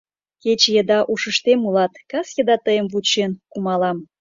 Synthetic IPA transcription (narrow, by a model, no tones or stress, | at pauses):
ket͡ɕjəd̪ɑʔuʃəʃt̪emulɑt̪kɑsjə̆d̪ɑt̪əjəmvut͡ɕenkumɑlɑm